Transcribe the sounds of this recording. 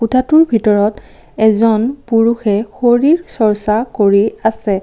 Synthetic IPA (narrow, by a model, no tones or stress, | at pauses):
utʰatuɹbʱitɔɹɔt | ɛzɔnpuɹuxɛxoɹiɹsɔɹsakoɹiasɛ